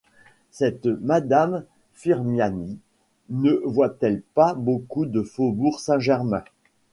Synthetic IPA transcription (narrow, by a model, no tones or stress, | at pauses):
sɛt̪mad̪am | fiʁmjani | nəvwat̪ɛlpabokud̪əfobuʁsɛ̃ʒɛʁmɛ̃